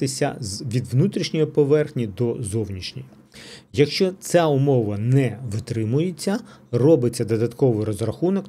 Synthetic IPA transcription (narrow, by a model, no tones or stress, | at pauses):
t̪ɪsʲɐ̰zʋʲid̪ʋnut̪ɾʲiʃnʲɔjɔpɔʋɛrxnʲid̪ɔzɔwnʲiʃnʲij | jɐkʃt͡ʃɔt͡sʲaʊmɔʋɐnɛʋɪt̪ɾɪmʊjet͡sʲːɐrɔbɪt͡sʲːɐd̪ɔd̪ɐt̪kɔʋɪjɾɔzrɐxunɔk